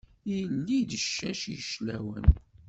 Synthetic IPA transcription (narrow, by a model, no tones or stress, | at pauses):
jəlːid̪əʃːæʃjʃlæwə̰n